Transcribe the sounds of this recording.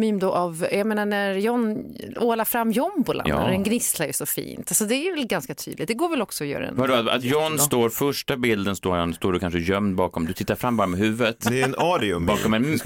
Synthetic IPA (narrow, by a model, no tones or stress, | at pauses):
myːmd̪ɔʔavjameːnaɳæaɾjɔnːoːlafɾamːjɔmbʊlʔa̰d̪ɛnɡnɪslaɾjɵsɔfḭːnt̪alsɔd̪ɛɾjvɛlɡanskat̪ʰy̰d̪lɪ̰t̪̚d̪ɛɡoːɾvɛlɔksɔɔjœ̰ːɾ̰ɛ̰nvaɖɔa̰t̪jɔnːst̪oːɾfœʂʈabɪld̪ənst̪oːɔnst̪oːɖɵkʰanʂəjœmd̪bɑːkɔmd̪ɵt̪ʰɪt̪ːaɾfɾamːbɑːɾamɛɦʉ̟ːvət̪d̪ɛɛnɑːɾɪɵmbɑːkɔmɛ